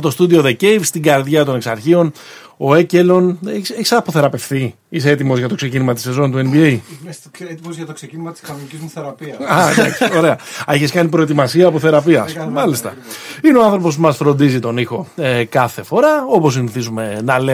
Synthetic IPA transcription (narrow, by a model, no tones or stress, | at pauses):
ot̪o̞st̪ud̪io̞ðecejvst̪iɡɐɾðʝɐt̪o̞neksɐɾçio̞n | o̞e̞celo̞neçiseçisɐpoθe̞ɾɐpe̞fθi | iseet̪imo̞zʝɐt̪o̞kse̞cinimɐt̪ise̞zo̞nt̪ue̞nbiej | t̪iozʝɐt̪oksecinimɐt̪i̥skɐnonicizmuθeɾɐpiɐɐdɐ̰kso̞ɾe̞ɐeçeskɐnipɾo̞et̪imɐsiɐːpoθe̞ɾɐpiɐsmɐlist̪ɐineoɐnθɾo̞po̞smɐsfɾo̞nd̪izit̪o̞nixo̞ekɐθe̞fo̞ɾɐo̞po̞s̬iniθizume̞nɐle